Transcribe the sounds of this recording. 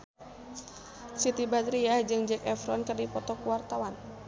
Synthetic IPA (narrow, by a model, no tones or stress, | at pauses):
sit̪ibad̪ɾiad͡ʒɨŋd͡ʒɛkɛfɾɔnkɨrdipɔt̪ɔkuwart̪awan